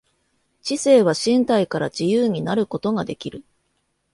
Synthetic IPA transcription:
t͡ɕise̞ːβ̞aɕĩnt̪aikaɾa̰ʑijɯːɲ̟inaɾɯ̟ko̞t̪o̞ɡad̪e̞kʲiɾɯ̟

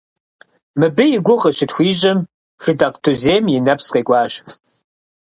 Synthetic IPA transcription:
mɨbɨjɪɡʷʊʁəʃɪtxʷiːʒɐm | ʃɨdaqtʰuzeːmjɪnɐpʰsqeːɡʷɑːʃ

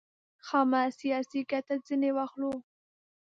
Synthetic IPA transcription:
xɑmɑsijɑsikat̪ad͡zinewaxlo

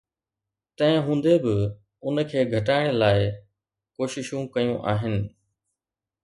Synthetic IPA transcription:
t̪ɐ̃ɦɪ̃ɦũːn̆d̪ebɪ | ʊnkʰeːɡʱɐʈaːɪɽ̃laːɪ | koːʃɪʃũkɐjũʔaːɦɪnɪ̆

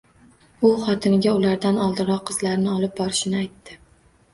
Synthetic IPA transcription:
ʊχɒt̪ʰɪnɪɡʲaʊlaɾd̪anɒlˠd̪ɪɾɒqʰːɨz̥laɾnɪɒlɪp̚bɒɾɪʃɪnɪajt̪ːɪ

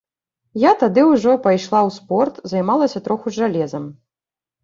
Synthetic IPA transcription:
jat̪ad̪ɨwʐɔpajʂlˠawspɔrt̪zajmalˠɐsʲɐt̪ɾɔxuʐalʲɛzɐm

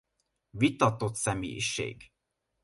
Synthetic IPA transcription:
vit̪ɒt̪o̞t̪sɛmḛːjʃḛːɡ

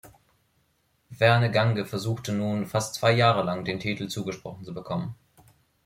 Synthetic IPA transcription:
v̥ɛɐnəɡaŋɡəfɛɐzuːxtənuːnfastt͡sv̥aɪjaːʁəlaŋdeːntʰiːtl̩t͡suːɡəʃpʁ̥ɔχn̩t͡subəkʰɔmən

